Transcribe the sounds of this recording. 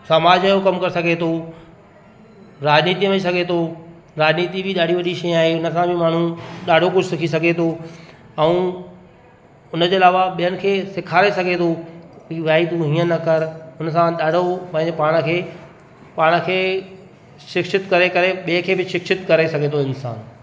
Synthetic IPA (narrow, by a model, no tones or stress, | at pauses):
sɐmaːd͡ʑəjokɐmkɐɾsɐɡʱet̪ʰo | ɾaːd͡ʑniːt̪imɐis̬ɐɡʱet̪ʰo | ɾaːd͡ʑniːt̪ibʱɪɗaːɖ̤ʱiʋɐɗiʃɐjaːɦeʊnə̆sãbʱɪmaːɳ̤ũɗaːɖʱokʊd͡ʑʱsɪkʰis̬ɐɡʱet̪ʰo | ɛ̃ũː | ʊnəd͡ʑoːɪlaːʋaɓijənɪ̆kʰeːsɪkʰaːɾesɐɡʱet̪ʰoiʋaːit̪ũɦĩːə̃nɐkɐɾʊnəsãɗaːɖʱopɐ̃ɦɪ̃ɲd͡ʑepaːɽ̃ə̆kʰeː | paːɽ̃ə̆kʰeː | ʃɪkʃɪt̪kɐɾekɐɾeɓiẽkʰeːbɪʃɪkʃɪt̪kɐɾesɐɡʱet̪ʰoɪnsa̰ːn